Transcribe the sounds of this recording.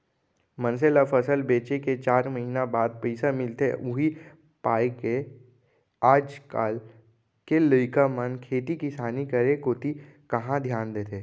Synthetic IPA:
mə̃nselapʰəsəlbeːt͡ʃeket͡ʃaːɾməɦiːnabaːd̪̚pɛɪsamɪlt̪eʊɦi | paːeke | aːd͡ʒkaːl | keləɪkamənkʰeːt̪ikisaːnikəɾekoːt̪i | kɐɦãd̪ʱjaːnd̪eːt̪eː

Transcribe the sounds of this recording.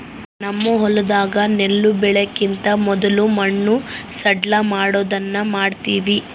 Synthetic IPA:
nɐmːɐɦɔlɐd̪aːɡɐnelːubɛɭekint̪ɐmɔd̪ɐlumɐɳːusɐɖlɐmaːɽoːd̪ɐnːɐmaːɖt̪iːʋi

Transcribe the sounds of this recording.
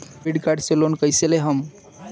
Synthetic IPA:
piɖkaɾɖselonkəjseleɦəm

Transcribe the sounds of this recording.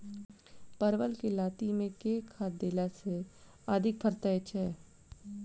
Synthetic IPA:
pəɾʋəlkelaːt̪imẽkeːkʰːad̪eːlase | aːd̪ʱɪk̚pʰəɾt̪aet͡ʃʰɦɛː

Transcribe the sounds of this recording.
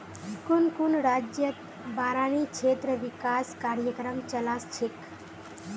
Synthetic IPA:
kunkunɾad͡ʒjət̪ | baɾanikʰet̪ɾəʋikaskaɾjəkɾəmt͡ʃəlast͡ʃʰek

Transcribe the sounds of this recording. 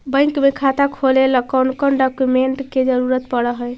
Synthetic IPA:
bə̃jŋkmekʰat̪akʰoleləkɔnkɔnɖɔkjumeɳʈked͡ʒəɾuɾət̪pəɽəɦəj

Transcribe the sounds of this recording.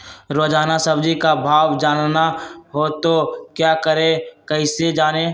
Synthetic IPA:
ɾoːd͡ʒaːnasəbd͡ʒikabʱaːʋd͡ʒaːnnaɦot̪okjaːkəɾẽkəɪsed͡ʒaːneː

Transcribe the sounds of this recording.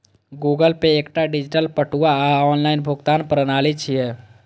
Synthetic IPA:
ɡuɡəlpeːkʈaɖid͡ʒiʈəlpəʈuaɔːnlaɪnbʱʊɡt̪aːnpɾənaːlit͡ʃʰiɛ

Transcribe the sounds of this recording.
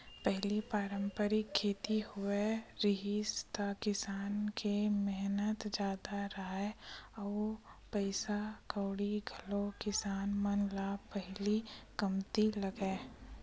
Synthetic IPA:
pɛɦlipaːɾə̃mpəɾɪkʰːeːt̪ihʊeɾɪɦist̪akɪsaːnkemɛɦnət̪d͡ʒjaːd̪aɾaːeɔːpɛɪsakəːɽiɡʱəlokɪsaːnmənlapɛɦlikɐmt̪ilɐɡeː

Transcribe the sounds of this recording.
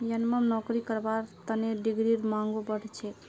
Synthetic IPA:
jənməmnɔkɾikəɾbaɾt̪əneɖiɡɾiɾmãŋɡobəɽt͡ʃʰe

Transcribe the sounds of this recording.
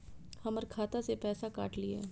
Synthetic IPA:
hɐməɾkʰaːt̪asepɛːsaka̰ːʈliḛː

